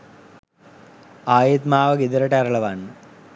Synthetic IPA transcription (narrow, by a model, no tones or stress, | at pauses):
aːjit̪maːʋɐɡid̪ɐɾɐʈeɐɾɐɭɐʋaːnː